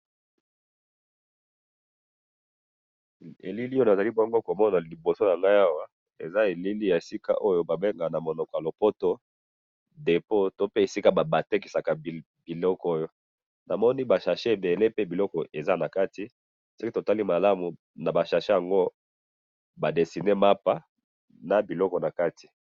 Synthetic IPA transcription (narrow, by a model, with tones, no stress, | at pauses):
ḛ˨li˦li˦o˦na˨za˨li˦bɔ˦ŋɡo˦ko˨mɔ˦na˨li˨bo˨so˦na˨ŋɡa˦ja˦wa˦ | ḛ˨za˦e˨li˦li˦ja˨e˨si˦ka̰˦ʔo˦jo˦ba˨be˦ŋɡa˨na˨mo˨nɔ˨kɔ˨ja˨lo˨po˦to˦ | de˨po˦to˦pe˦e˨si˦ka˦ba˨ba˨te˦k̬i˨sa˨ka˨ | bi˨lɔ˦kɔ˦o˦jo˦ | na˨mɔ˦ni˦ba˨ʃa˨ʃe˦e˨be˨le˦pe˦bi˨lɔ˦kɔ˨ʔe˨za˦na˨ka˦ti˨ | so˦ki˦to˨ta˦li˦ma˨la˦mu˨ | na˨ba˨ʃa˨ʃe˦ja˨ŋɡo˦ | ba˨de˨si˨ne˦ma˦pa˦ | na˨bi˨lɔ˦kɔ˨na˨ka˦tʰi̥˨